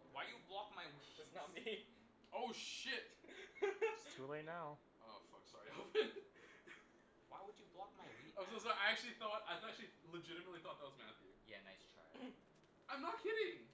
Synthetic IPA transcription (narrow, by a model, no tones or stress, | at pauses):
waɪjɨblɑkmaɪwiɨznɛmi | oʊʃɪt̚ | stʰʉleɪtⁿnaʊ | ʔoʊfʌ̰ksɔaɪæfɨ̃n | waɪwəd͡ʒɨblɑk̚maɪwiozoʔaɪæk̚t͡ʃʉl̩ˠiθɔt̚aɪæk̚t͡ʃʉl̩ˠiləd͡ʒɪɾɨmətˡliθɔt̪̚ðæt̚wʌzmãḭjæ̰na̰ɪstʰɹ̥a̰ɪ | ãɪ̃mnət̚hɪɾɪ̃ŋ